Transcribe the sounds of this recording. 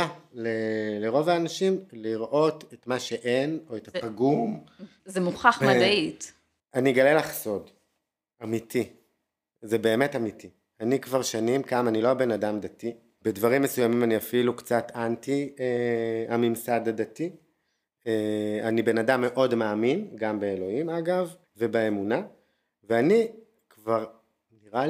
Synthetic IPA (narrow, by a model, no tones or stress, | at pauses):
aleleʁo̞vaːnaʃimliʁʔo̞tetmaʃe̞ʔeno̞etapaɡum | zemuχaχmadait | aniɡalelaχso̞d | amitʰi | zebe̞ːmetamitʰi | anikvaʁʃanimkamanilobe̞nadamdati | bedvaʁimːesujamimaniafilukt͡satantieamimsadadati | eanibe̞nadamːe̞ʔo̞dmaːminɡambeelo̞himaɡav | vebeemuna | veani | kvaʁ | niʁa